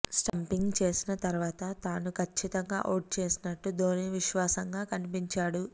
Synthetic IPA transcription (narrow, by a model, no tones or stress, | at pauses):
sʈɐmpiŋɡt͡ʃe̞ːsinɐt̪ɐɾuʋaːt̪ɐt̪aːnukʰɐt͡ʃt͡ʃʰːit̪ɐŋɡa̰ːʔoːʈ̚t͡ʃe̞ːsinɐʈːud̪oːniʋiʃʋaːsɐŋɡaːkɐnipiɲt͡ʃaːɽu